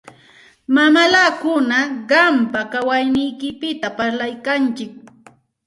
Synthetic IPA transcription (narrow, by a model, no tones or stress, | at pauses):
mamalakʊnaɢɑmpakawajnɪjkɪpɪt̪apaɾlajkant͡ʃɪk̚